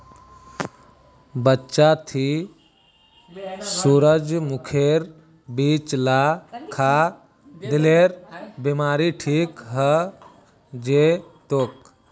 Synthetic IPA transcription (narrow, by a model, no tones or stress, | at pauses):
bətːʃat̪ʰi | suɾəd͡ʒmukʰeɾ | biːt͡ʃlakʰa | d̪ɪleɾbimaːɾiʈʰiːkɦə | d͡ʒet̪ok